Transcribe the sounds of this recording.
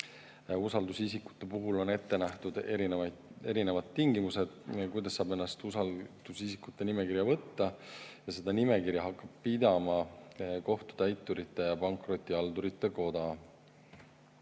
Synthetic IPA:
usɑld̪usisikːu̥t̪ːˑe̞puɦulo̞ne̞t̪ːe̞næht̪ud̪eɾineɑe̞ɾine̞vɑd̪t̪ːiŋɡ̥imuse̞d̪̥kujd̪ɑsːɑːbe̞nːɑst̪usɑd̪̥usisikːut̪ːe̞nime̞kiɾjɑvɤt̪ːɑjɑse̞d̪ɑnime̞kiɾjɑɦɑkːɑb̥̚pid̪̥ɑmɑko̞ht̪u̥t̪æjt̪ːˑuɾit̪ːˑe̞jɑpɑŋkro̞t̪ʲːˑiɑld̪uɾit̪ːˑe̞ko̞d̪ɑ

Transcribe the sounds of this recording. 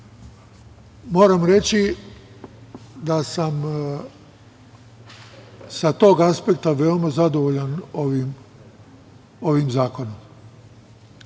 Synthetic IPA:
mo̞ːɾamɾe̞t͡ɕi | d̪asam | sat̪o̞ːɡaspe̞k̚t̪aʋe̞o̞mazad̪o̞ʋoʎanoʋim | o̞ʋimzaːko̞nom

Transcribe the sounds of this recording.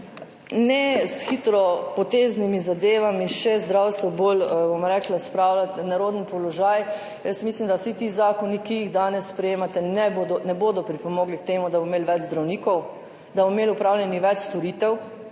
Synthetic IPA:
nɛsxit̪ɾɔpɔt̪eːznimizad̪eːʋamiʃɛzd̪ɾawst̪ʋɔbolbomɾɛklaspɾaːwlat̪naɾoːd̪nipɔlɔʒaj | jəsmislimd̪asit̪izaːkɔnikijiɣd̪aːnɛsːpɾɛjeːmat̪ɛnɛbod̪ɔnɛboːd̪ɔpɾipɔmoːɡlikt̪eːmud̪abomeːlʋɛd͡ʒzd̪ɾawniːkɔw | d̪abomelʊpɾaːwlʲjɛniʋɛt͡ʃst̪ɔɾit̪ɛw

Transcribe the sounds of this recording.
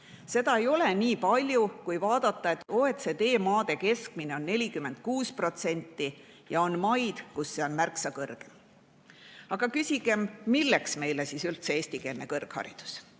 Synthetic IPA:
se̞d̪ɑe̞jo̞le̞niːpɑlʲjukujvɑːd̪ɑt̪ːɑe̞t̪ːˑoːet̪se̞d̪e̞ːmɑːd̪̥e̞ke̞skmine̞o̞nːe̞lʲikymːe̞nd̪̥̚kuːspro̞t̪se̞nʲt̪ˑːi | jɑo̞nmɑjd̪̥kusːe̞o̞nmærksɑkɤrɡ̥em | ɑɡ̥ɑkysʲiɡ̥e̞mːilːe̞ksme̞jlesisylt̪seeːsʲt̪ike̞ːlne̞kɤrɡ̥hɑ̰ɾḭd̪̥u̥s

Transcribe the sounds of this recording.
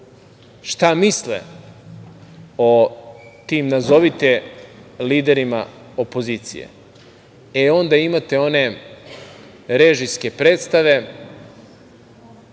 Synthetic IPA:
ʃt̪amislḛ | ot̪iːmnazo̞ʋit̪eliːd̪e̞ɾima | opo̞ziːt̪sḭjḛ | eo̞nd̪aimat̪eo̞ne̞ | ɾeʒiske̞pɾeːt̪st̪aʋe̞

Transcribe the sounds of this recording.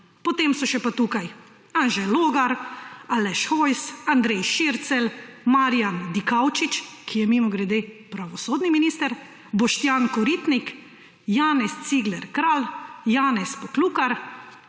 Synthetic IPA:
pɔt̪emsɔʃɛpat̪ukaj | anʒɛloːɡaɾalɛʃxɔjsand̪ɾɛjʃiɾt̪sɛlmaːɾijand̪ikawt͡ʃit͡ʃkʰijɛmimɔɡɾɛd̪epɾaʋɔsoːd̪niminiːst̪ɛɾ | bɔʃt̪jaːnkɔɾit̪nik | jaːnɛst̪siɡlɛɾkɾaːljaːnɛspɔkluːkaɾ

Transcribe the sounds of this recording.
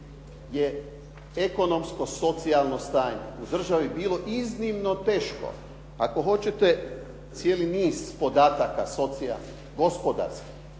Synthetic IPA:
je | eko̞no̞msko̞so̞t̪sialnost̪aːɲḛud̪r̩ʒaʋibiːlˠo̞ʔiznimno̞t̪e̞ːʃko̰ | ako̞ɦo̞t͡ɕet̪e | t̪sjeːliniːspo̞d̪aːt̪akaso̞t̪sia̰lni | ɡo̞spod̪a̰ɾski̥

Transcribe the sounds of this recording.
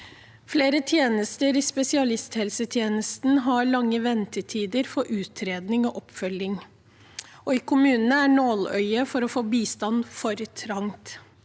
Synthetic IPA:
fleːɾət̪ʰjeːnəst̪əɾɪspɛsɪɑlɪst̪hɛlsət̪ʰjeːnəst̪n̩ɦɑɭɑŋːəʋɛnt̪əʈʰiːd̪əɾfɔʔʉːt̪ʰɾeːd̪nɪŋɔːʔɔpfœlːɪŋ | ɔiːkʰʊmʉːnənəæːɳoːlœ̰ʏəfɔɾɔfoːbiːst̪ɑnfɔɾət̪ʰɾɑŋt̪

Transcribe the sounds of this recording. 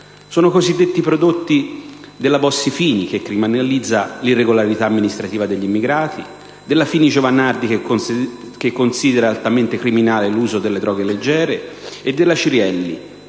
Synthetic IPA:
soːnokozid̪ːet̪ːipɾod̪ot̪ːi | d̪elːabɔsːifiːnik̟ekːɾiminelid̪zːalirːeɡolaɾit̪aːmːinist̪ɾat̪iːvad̪eʎːimːiɡɾaːt̪ʰḭ | d̪elːafiːnid͡ʒovanːard̪ik | kekːonsiːd̪eɾalt̪ament̪ekɾiminaːleluːzod̪elːed̪ɾɔːɡeled͡ʒːɛːɾeːd̪ːelːat͡ʃiɾjɛlːḭ

